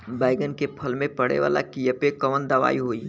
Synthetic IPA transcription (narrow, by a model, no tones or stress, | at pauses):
baːɪɡənkepʰɐlmẽpɐɽḛʋa̰ːla̰kijəpekəʋənd̪əʋa̰ːiɦoːi